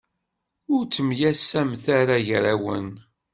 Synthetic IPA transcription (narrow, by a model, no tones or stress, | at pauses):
ʊɾt͡sːəmjæsːæmθaɾaʝɾæwə̰n